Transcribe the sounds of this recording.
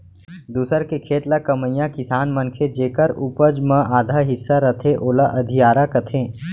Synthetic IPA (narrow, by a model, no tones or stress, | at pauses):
d̪uːsəɾkekʰeːt̪lakɐməjãkɪsaːnmɐnkʰed͡ʒeːkəɾupəd͡ʒmə̃ʔaːd̪ʱaːɦɪsːaɾɐt̪ʰeʔoːlaʔɐd̪ʱijaːɾakɐt̪ʰẽː